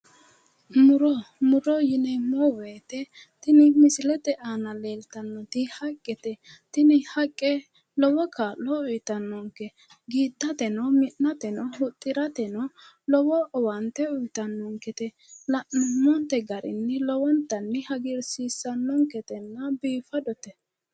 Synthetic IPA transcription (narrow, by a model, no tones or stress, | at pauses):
mʊɾɔmʊɾɔjɪnɛmɔweːt̪ɛ | t̪ɪnɪmɪsɪlɛt̪ɛʔaːnɐleːlt̪ɐnːɔt̪ɪhɐkʼːɛt̪ɛt̪ɪnɪhɐkʼːɛ | lɔwɔkʰalɔʊjt̪ɐnːɔŋkɛ | ɡiːd̪ːɐt̪ɛnɔmɪnːɐt̪ɛnɔhʊt̪ʼːɪɾɐt̪ɛnɔ | lɔwɔːwɐnt̪ɛʊjt̪ɐnːɔŋkɛt̪ɛ | lɐʔnɔmɔnt̪ɛɡɐɾɪ̰nːɪlɔwɔnt̪ːɐnːɪhɐɡɪɾsiːsːɐnːɔŋkɛt̪ɛnːɐbiːfɐd̪ɔt̪ɛ